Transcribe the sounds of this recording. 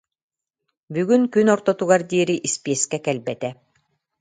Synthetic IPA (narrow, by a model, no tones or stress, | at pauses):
byɡynkynɔɾt̪ɔt̪uɣaɾd̪iːɾiʔispiɛskɛkɛlbɛt̪ɛ